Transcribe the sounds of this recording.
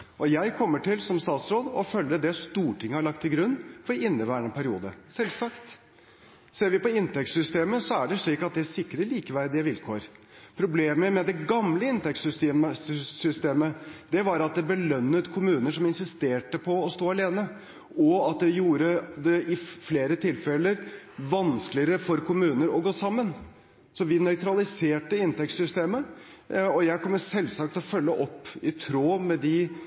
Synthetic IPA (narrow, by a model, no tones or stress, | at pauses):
ʔɔjæɪkʰɔmːəʈɪlsɔmst̪ɑːt̪sɾoːd̪ɔfœlːəd̪ɛst̪uːʈʰɪŋːəhɑɭɑk̚t̪ʰːɪlɡɾʉnːfɔɾɪnːəʋæːɳəpʰæɾɪṵːd̪ə̰sɛlsɑkt̪ | seːɾʋɪpɔɪnt̪ɛkt̪sʏst̪eːməsɔæɖɛʂɭiːkɑt̪̚d̪ɛæsɪkːɾəliːkəʋæɾd̪ɪəʋɪlkʰoːɾpʰɾʊbleːməmɛd̪ɛɡɑmləɪnt̪ʰɛksʏst̪eːməsʏst̪eːməd̪̥ɛʋɑɾɑt̪̚d̪ɛbəlœnːət̪kʰʊmʉːnəʂɔmɪnsɪst̪eːʈəpʰɔɔst̪oːɑleːnə | ɔɑt̪̚d̪ɛjuːɾəd̪ɛʔɪfleːɾət̪ʰɪlfɛləɾ | ʋɑnsklɪəɾəfɔɾkʰʊmʉːnəɾɔɡoːsɑmːən | sɔʋɪnœʏt̪ɾɑlɪseːʈəɪnt̪ɛkt̪sʏst̪eːmə | ɔjæɪkʰɔmːəsɛlsɑk̚t̪ʰɔfœlːəʔɔpːɪt̪ʰɾoːmɛd̪ɪ